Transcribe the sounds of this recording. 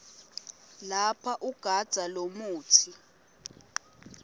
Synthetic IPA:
lapʰaʔuɡ̥ʱad̥ʒ̥ʱalomuːtʰi

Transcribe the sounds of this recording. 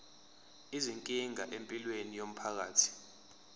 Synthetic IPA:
iziŋkʼiŋaʔempʼilwenijom̩pʰak̬aːtʰi̥

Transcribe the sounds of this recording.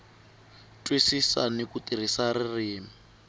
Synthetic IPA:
tʼwisisanikutir̤isaɾiriːmi

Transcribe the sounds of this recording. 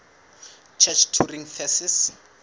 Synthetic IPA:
t͡ʃʰɛt͡ʃʰtʰuriŋfɛsis

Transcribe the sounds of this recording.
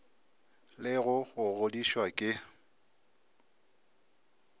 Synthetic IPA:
lɪɣʊɣʊɣodiʃwakʼɪ

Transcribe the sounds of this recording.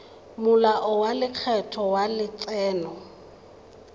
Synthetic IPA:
mʊlaʔʊwalɪq͡χʰɛtʰɔwalɪt͡sʼɛːnɔ

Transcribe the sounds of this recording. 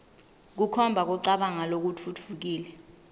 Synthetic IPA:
k̬ukʰɔmbʱak̬ɔǀaɓaŋalok̬utʰut͡fʰuk̬iːlɛ

